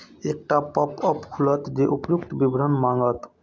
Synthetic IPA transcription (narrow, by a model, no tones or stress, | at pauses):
ek̚ʈapɔpʌpkʰulət̪d͡ʒeʔupjuk̚t̪bibɾənmaŋɡət̪